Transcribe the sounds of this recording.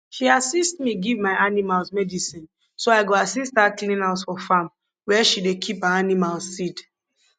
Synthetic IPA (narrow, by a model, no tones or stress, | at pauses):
ʃiasistmiɡivmaɪanimalsmɛdisĩn | soaɪɡoasist̚dakliĩnasfɔfãm | wɛʃidekʰipaanimalzːid